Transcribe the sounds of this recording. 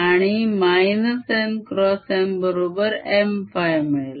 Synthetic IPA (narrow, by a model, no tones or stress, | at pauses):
aɽ̃imajnəsenkɾɔsembəɾobəɾemfajmeɭl